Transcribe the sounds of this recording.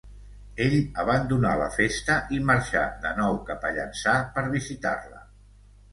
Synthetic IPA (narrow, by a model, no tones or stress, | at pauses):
eʎəβənd̪unalə̰fest̪əʔiməɾʃa̰ðənɔwkapəʎə̰nsapəɾβizit̪a̰rlə̰